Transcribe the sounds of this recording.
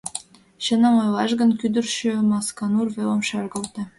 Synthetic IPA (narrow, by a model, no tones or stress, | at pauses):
ɕə̆nə̆mojlɑʒɣə̆nkyd̪ə̆rʃømɑskɑnurβelomʃølɣə̆lt̪ɤ̆